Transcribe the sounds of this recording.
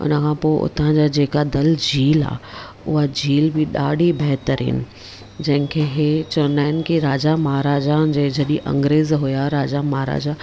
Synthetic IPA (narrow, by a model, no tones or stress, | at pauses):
ʊ̰nəkʰãːpoːɪʔʊ̰t̪ʰãd͡ʑaːd͡ʑeːkad̪ɐld͡ʑiːla̰ː | ʊ̰ɦad͡ʑiːlbɪɗaːɖʱibɛɦt̪əɾḭːn | d͡ʑɐ̃ɦɪ̃kʰeːɦet͡ɕəɾnaːɪnkiɾaːd͡ʑamaːɾaːd͡ʑad͡ʑeːd͡ʑɐɗiʔɐ̰̃ŋɡɾeːzɦʊjaɾaːd͡ʑamaːɾa̰ːd͡ʑa